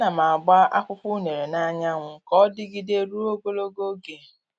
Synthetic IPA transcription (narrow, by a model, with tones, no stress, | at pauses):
na˨ma˨a˨ɡ͡ba˦a̰˦kʷʊ˦pu˦ne˨ɾe˨na˦ɲa˦ŋʷʊ˨kɔ˦dɪ˦ɡi˦de˦ɾu˦o˦ɡo˦lo˦ɡo˦ɡe˨